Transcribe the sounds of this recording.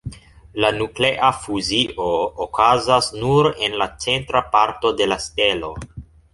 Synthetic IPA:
lanukle̞ʔafuziʔoːkazasnuɾe̞nlat͡se̞ntɾapaɾto̞de̞laste̞lo̞

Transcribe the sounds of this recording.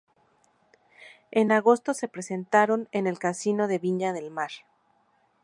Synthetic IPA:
e̞naɣo̞st̪o̞se̞pɾese̞nt̪aɾo̞ne̞ne̞lkasino̞ðe̞βiɲaðe̞lmaɾ

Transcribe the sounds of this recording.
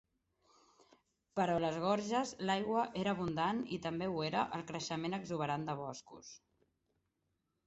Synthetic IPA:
pəɾoləzɣ̞ɔɾʒəzlajɣwəʔeɾəːβund̪anit̪əmbeueɾəʔəlˠkɾəʃəmenəɡzuβ̞əɾand̪əβ̞ɔskṵs

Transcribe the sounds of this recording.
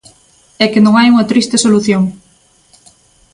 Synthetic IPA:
ɛkenõŋajuŋɐt̪ɾist̪ɪsoluθjoŋ

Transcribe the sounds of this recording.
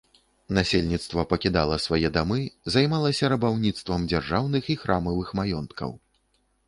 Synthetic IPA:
nasʲelʲnʲit̪st̪vɐpɐkʲid̪a̰lˠɐsvajɛd̪amɨzajmalˠɐsʲɐɾɐbawnʲit̪st̪vɐmd͡zʲarʐawnɨxixɾʔamɐvɨxmajɔnt̪kʰɐ̰w

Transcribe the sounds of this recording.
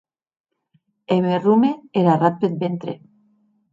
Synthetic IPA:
eβerumeeɾarapet̪̚bent̪ɾe

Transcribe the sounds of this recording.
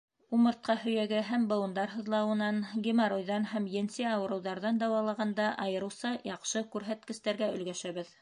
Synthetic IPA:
umɤ̆ɾt̪̚qɑhɵ̆jæɡɘɦæmbɤ̆w̪ˠɤ̆nd̪ɑɾɦɤ̆ðlˠɑwɤ̆nɑnɡʲimɑɾujðɑnhæmjɘnsɘɑwɤ̆ɾɤ̆wðɑɾðɑnd̪ɑwɑlˠɑʁɑnd̪ɑʔɑjɤ̆ɾɤ̆wsɑjɑqʃɤkʉɾɦæt̪kɘ̆st̪æɾɡæɵ̆lɡæʃæβɘð

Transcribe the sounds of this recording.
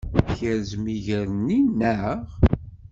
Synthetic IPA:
çəɾzmiʝəɾəninːəʁ

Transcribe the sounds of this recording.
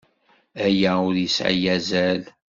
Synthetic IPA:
æjæʊɾjəsʕə̰jæzæl

